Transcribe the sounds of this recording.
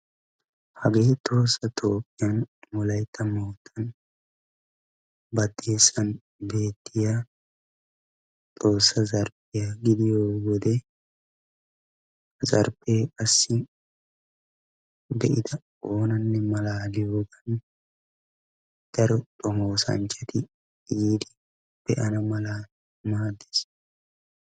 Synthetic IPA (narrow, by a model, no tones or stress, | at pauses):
hɐɡe̞ːt̪ʼo̞ːsːɐt̪ʰo̞ːpʼːɪjɐnmɔlɐjt̪ʰːɐmoːt̪ʰːɐn | bɐd̪ːe̞ːsɐn | be̞ːt̪ʰːɪja | t̪ʼo̞ːsːɐzɐɾpːɪjaɡɪd̪ɪjoːwɔd̪ɛ | zɐɾbeːkʼɐsːɪ | d̪ɛʔɪd̪ɐ | oːnɐnːɛmɐlaːlɪjoːɡɐn | d̪̥ɐɾɔt̪ʼɔmoːsɐ̰nt͡ʃʼːɐt̪ɪ | iːd̪ɪ | b̥ɛʔɐnɐmɐlaː | maːd̪ːe̥s